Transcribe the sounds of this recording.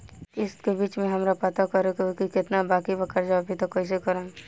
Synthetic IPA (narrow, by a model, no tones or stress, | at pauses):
ɪskebiːt͡ʃmẽɦɐmɾapɐt̪akɐɾekokikɪt̪nabaːkibəkəɾd͡ʒaːbʱit̪okois̬ekəɾõ